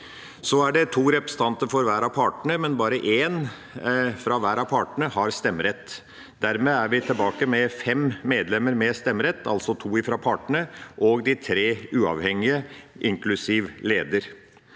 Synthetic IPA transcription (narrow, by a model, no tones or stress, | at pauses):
sɔæɖɛt̪ʰuːɾɛpɾɛsə̥t̪ʰɑnt̪əɾfɔɾʋæːɾɑʋpʰɑːʈɳəmɛnbɑːɾəʔeːn | fɾɑːʋæːɾɑʋpʰɑːʈɳəhɑɾst̪ɛmːɾɛt̪ː | d̪̥æɾmeːæɾʋɪt̪ʰɪlbɑːkəmɛfɛmmːeːd̪lɛmːəɾmɛst̪ɛmːɾɛt̪ʰːɑ̰lsɔt̪ʰuːɪfɾɑpʰɑːʈɳəʔɔɡd̪ɪt̪ʰɾeːʉːɑ̰ʋhɛŋɪəʔɪŋklʉsiːʋleːd̪əɾ